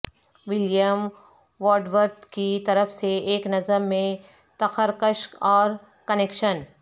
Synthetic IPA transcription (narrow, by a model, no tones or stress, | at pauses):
ʋɪljəm | ʋoːɾɖʋəɾd̪kit̪ɐɾəfseeːknɐzəmːẽ | t̪ɐxəɾkəʃkɔːɾ | kɐneːkʃən